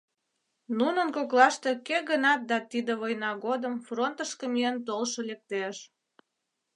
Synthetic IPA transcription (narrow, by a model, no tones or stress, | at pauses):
nunənkoklɑʃt̪e̽keɣənɑt̪̚d̪ɑt̪id̪eβojnɑɣod̪əmfront̪əʃkəmiənt̪olʃolek̚t̪eʃ